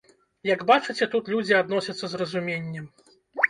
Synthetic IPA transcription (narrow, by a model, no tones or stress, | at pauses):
jɐɡbat͡ʂɨt͡sʲɛt̪ut̪lʲud͡zʲiad̪nɔsʲɐt̪sːɐzrɐzumʲenʲːɛm